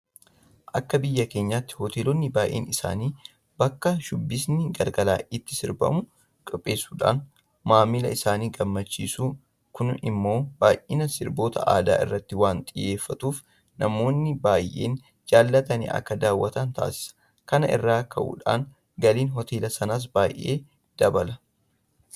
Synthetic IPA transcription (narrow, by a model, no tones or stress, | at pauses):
ʔɐkːɐbɪjːɐke̞ːɲːaːt̪ːɪ̥hɔt̪eːlɔnːɪbaːjʔḛːnɪsa̰ːniː | bɐkːɐʃʊbːɪsnɪɡɐɾɡɐlaːʔɪt̪ːɪ̥sɪɾbɐ̰mʊ | kʼʊpʼːe̞ːsuːᶑa̰ːn | maːmːɪlɐ̰ɪsaːniːɡɐmːɐt͡ʃːḭːsuː | kʊnɪ̰mːo̞ːb̥aːjʔɪnɐsɪɾbo̞ːt̪ɐ̰ʔa̰ːd̪a̰ːʔɪ̰rːɐt̪ːɪwaːnt̪ʼɪje̞ːfːɐt̪uːf | nɐmo̞ːnːɪbaːjʔḛːn | d͡ʒaːlːɐt̪ɐnḭːʔɐ̰kːɐd̪aːwːɐt̪ɐnt̪a̰ːsɪ̥sɐ̥ | kɐnɐɪ̰rːaːkʰɐʔṵːᶑa̰ːn | ɡɐliːnɦɔt̪ʰe̞ːlɐsɐnaːs̬baːjʔe̞̰ː | d̪̥ɐbɐlɐ